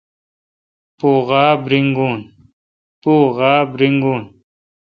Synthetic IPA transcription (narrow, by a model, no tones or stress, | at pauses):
puːʁaːbɾiŋɡuːn | puːɣaːbɾiŋɡuːn